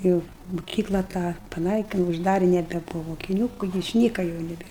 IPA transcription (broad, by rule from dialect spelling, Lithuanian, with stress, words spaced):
ˈjɛʊ mʊˈkʲiːklˠɐ tɑː pɐˈnɐɪkʲɪnʊ ʊʒˈdɑːrʲɪ nʲɛbʲɛˈbʊʋɐ moːkʲɪˈnʲuː ɪʃʲˈnʲiːkɐ jɛʊ nʲɛˈbʲeːr